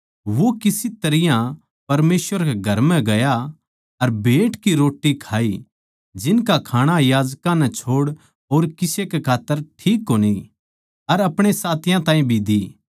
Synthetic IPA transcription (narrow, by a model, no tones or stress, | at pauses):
ʋokɪsit̪ɐɾɪjã | pɐɾmeːsʋəɾkeɡʱɐɾmɛ̃ɡɐja | ɐɾbʱeːʈkiɾoːʈːikʰaːi | d͡ʒɪnkakʰaːɽ̃ajaːd͡ʒkãnɛ̃t͡ʃʰoːɽ | oːɾkɪsekekʰaːt̪ːəɾʈʰiːkːoːni | ɐɾɐpɽ̃esaːt̪ɪjãt̪ãːĩbʱid̪i